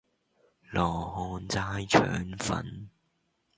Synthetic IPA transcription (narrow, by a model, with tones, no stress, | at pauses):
lɔː˨˩hɔː˧nt͡saː˧˥jt͡ʃʰœ̰ː˨˥ŋfɐ̰˨˥n